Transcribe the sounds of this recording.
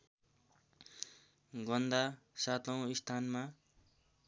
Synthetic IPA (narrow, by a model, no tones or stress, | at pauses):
ɡʌnd̪a | sat̪ʌw̃ist̪ʰanma